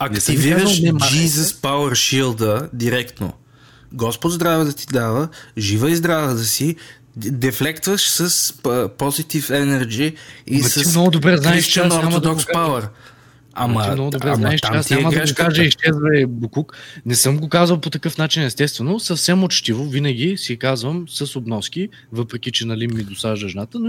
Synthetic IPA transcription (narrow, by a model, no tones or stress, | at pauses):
ɐkt̪iviɾəd͡ʒizəspawəɾʃilˠd̪əd̪iɾɛkt̪no̰ | ɡɔspod̪zd̪ɾavɛd̪ɐt̪i̥d̪avəʒivəizd̪ɾavət̪əsi | d̪ɛflɛkt̪vəʃsəsəpɔzit̪ifɛnɛɾd͡ʒiisəinɔɡʊd̪obɾɛznaiʃt͡ʃənoɾod̪ɔkspawəɾ | a̰mt̪inɔɡʊd̪obɾɛznaɛʃt͡ʃɛasʲaməd̪ɐɡokaʒəiʃt͡ʃɛzvɐɛbukuknɛsɤmɡokazvɐlˠpot̪ɐkɤfnat͡ʃinɛst̪ɛst̪vɛnʊsɐfsɛmot͡ʃt̪ivovinɐɡʲisikazvəmsɐsobnɔsk̟i | vɤpɾɛkʲit͡ʃɛnɐlimːid̪osaʒd̪ɐʒnat̪ən